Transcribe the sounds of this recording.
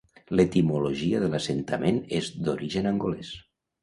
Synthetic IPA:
let̪imuloʒiaðəlasent̪amenezd̪oɾiʒənaŋɡoles

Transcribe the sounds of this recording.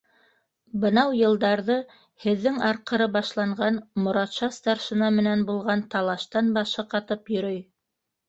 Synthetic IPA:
bɤ̆nɑwjɤ̆lˠd̪ɑɾðɤ | hɘ̆ðːɘŋɑɾqɤ̆ɾɤbɑʃlˠɑɴɢɑnmŏɾɑt̪ʃɑst̪ɑɾʃɤ̆nɑmɘ̆nænbulˠʁɑnt̪ɑlˠɑʃt̪ɑnbɑʃɤqɑt̪ɤpjɵ̆ɾɵj

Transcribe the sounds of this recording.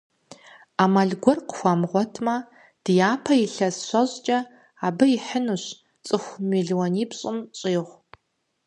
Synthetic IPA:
aːmaɮɡʷɔrqəxʷamʁʷɔtʰmɐ | d̥jaːpʰɐjɪɬɐsɕʷɐʑt͡ʃʼɐ | aːbɐjɪħənuɕ | t͡sʼɨxʷmiɮiwɔniːpɕʼɪmɕʼiːʁʷ

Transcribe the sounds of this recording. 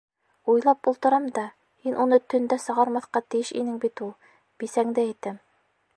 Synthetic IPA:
ujlˠɑpulˠt̪ɤ̆ɾɑmd̪ɑ | hinʔunɤt̪ɵ̆nd̪æsɤ̆ʁɑɾmɑθqɑt̪ɘ̆jɘʃḭnɘŋbit̪ulˠ | b̥isæŋd̪ɘɘ̆t̪ɘm

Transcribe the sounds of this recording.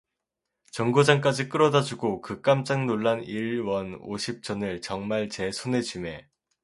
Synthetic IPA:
t͡ɕʌŋɡod͡ʑaŋk̬͈ad͡ʑik͈ɯɾʌdad͡ʑuɡokɯk͈amt͡ɕ͈aŋnoɭːaniɭwʌno̰ɕʰip̚t͡ɕ͈ʌnɯɭt͡ɕʌŋmaɭt͡ɕe̞sʰone̞d͡ʑume̞

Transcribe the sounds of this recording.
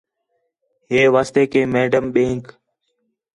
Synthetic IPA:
ɦeːʋaːst̪eːkʰeːmeːɖəmɓẽːŋk

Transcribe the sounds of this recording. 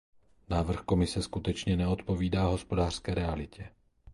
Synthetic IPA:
naːvr̩xko̞mɪsɛskut̪ɛt͡ʃɲɛnɛot̪po̞viːdaːɦo̞spo̞daːr̥skɛːɾɛalɪcɛ

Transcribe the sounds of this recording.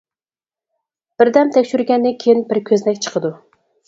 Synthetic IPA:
b̥ɪɾd̪ɛmt̪ʰɛkʲʃyɾɡʲɛnd̪ɪkʲʰejinbɪɾkʲʰøznɛkʲt͡ʃʰə̥qʰəd̪u

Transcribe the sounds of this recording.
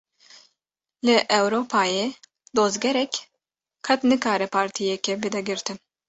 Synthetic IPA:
lɨʔɛwɾoːpʰaːjeː | d̪oːzɡɛɾɛkʲ | kʰɐt̪nɨkaːɾɛpʰaːɾt̪ʰijɛkɛbɨd̪ɛɡɨɾt̪ɨn

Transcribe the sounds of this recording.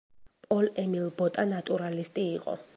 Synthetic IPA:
pʼɔlɛmilbɔt̪ʼanat̪ʼuɾalist̪ʼiːqʼɔ̰

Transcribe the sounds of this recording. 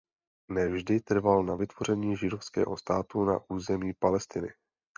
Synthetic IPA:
nɛvʒdɪt̪r̩valnavɪt̪v̥o̞r̝ɛɲiːʒɪdo̞fskɛ̰ːɦo̞̰st̪aːt̪una̰ʔuːzɛmiːpalɛst̪ɪnɪ̰

